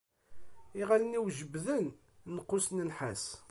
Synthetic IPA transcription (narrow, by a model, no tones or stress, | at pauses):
iʁaləniwʒəbðən | nəqːʊsnənħas